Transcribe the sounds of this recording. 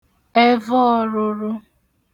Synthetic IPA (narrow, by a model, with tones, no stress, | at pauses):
e˦vɔ˦ɔ˦ɾʊ˦ɾʊ˦